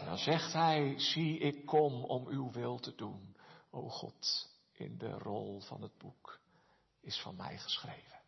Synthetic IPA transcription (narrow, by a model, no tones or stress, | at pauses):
ndɑ̰nzɛχtɦɛjz̥iɪkːɔmɔmywʋɪlˠtədunowχɔ̰t | ʔɪ̰ndə̰rɔlˠv̥ɑ̰nəd̚buk | ɪsfɑnmɛ̰jχə̥sχrejvən